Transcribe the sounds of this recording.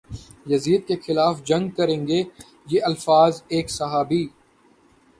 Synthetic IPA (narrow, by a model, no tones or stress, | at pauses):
jɐziːəd̪̚kexɪlaːfd͡ʒɐ̃ŋɡ̚kɐɾẽːŋɡe | jeʔɐlfaːzeːksɐɦaːbiː